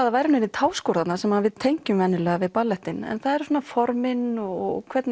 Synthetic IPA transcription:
aðavajɾnɪnit̪ʰaːwskɔːɾat̪nasɛmhanvɪðt̪ʰejɲcʏmvɛnːɪlɛːɣavɪðpalːɛht̪ɪnɛ̰nθaðɛɾ̥soːnafɔɾmɪnɔɔkʰvɛt̪n

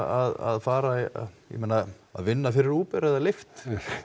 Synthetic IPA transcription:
aða̰ðfaːɾajɛ̰meːna | a̰ðvɪnːafɪɾɪɾuːpɛɾɛðalɪft̪

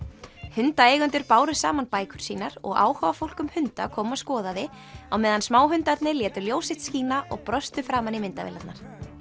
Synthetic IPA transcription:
hʏnt̪aejɣʏnt̪ʏɾpaːwɾʏsa̰ːmanpaːjkʏɾ̥siːnaɾɔ̰ɣa̰ːwhavafowl̥kʏmhʏnt̪a̰kʰɔːmawskɔːðaðɪ | awmɛːðansmaːwɦʏnt̪at̪nɪljɛːt̪ʏljoːwsɪht̪skiːnaʔɔɣpɾœst̪ʏfɾaːmanimɪnt̪avɪ̰lat̪naɾ̥

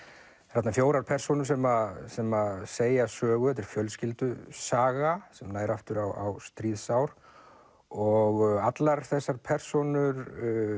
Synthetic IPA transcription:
rat̪nafjoːwɾaɾ̥pʰɛr̥sɔnʏ̥sɛmasɛmaseːjasœːɣʏhɛt̪ɪɾ̥fjœlscɪlt̪ʏsaːɣasɛmnaːjɾaft̪ʏɾawawst̪ɾiːðsawɾ̥ | ɔɣat̪laɾ̥θɛsːaɾ̥pʰɛr̥sɔnʏɾ

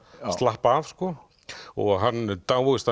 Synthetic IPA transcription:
st̪lahpaːvskɔ | ɔ̰ɣɦanːt̪aːwvɔɣɪst̪a

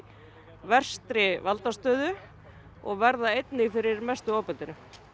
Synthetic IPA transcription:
vɛr̥st̪ɾɪvalt̪ast̪œːðʏ | ɔ̰ɣvɛɾðaejt̪nɪɣfɪɾɪɾmɛst̪ʏɔːpɛnt̪ɪnʏ

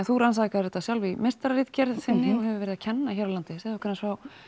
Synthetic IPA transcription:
ɛnθuɾansakaɾɛt̪asjawlvimest̪aɾaɾiːt̪cɛɾðθɪnːɪɔɦɛvʏvɛːɾɪðacʰɛnːaçɛɾawlant̪ɪsɛðɔkvɛɾnsvaw

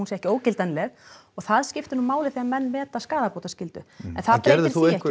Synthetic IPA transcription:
unsjɛhcɪoːwcɪlt̪anlɛɣ | ɔɣθaðscɪft̪ɪnumaːwlɪθɛːɣamɛnːmɛːt̪askaːðapoːwt̪ascɪlt̪ʏ̰ɛ̰nθaðp̪eɾðɪɾθθieɛhk

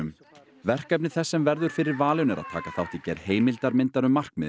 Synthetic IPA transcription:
ʏm | vɛr̥kɛp̚nɪθɛsːɛmvɛɾðʏɾ̥fɪɾɪɾvaːlʏnɛɾʔa̰ðt̪ʰa̰ːkaθawht̪icɛɾheːjmɪlt̪aɾmɪnt̪aɾʏmːar̥kmɪ̰

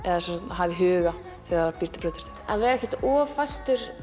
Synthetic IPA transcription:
ɛðasɛ̃sat̪nɦaːvɪɦʏːɣa | θɛaaɾapiɾt̪ɪpʰɾœːt̪ʏ̥t̪ʰɪ̥t̪avɛːɾɛhcɛt̪ɔːfast̪ʏɾ̥

